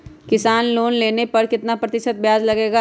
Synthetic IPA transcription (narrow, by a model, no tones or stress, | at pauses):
kɪsaːnloːnleːnepɐɾkɪt̪napɾɐt̪ɪʃət̪̚bjaːd͡ʒlɐɡeːɡa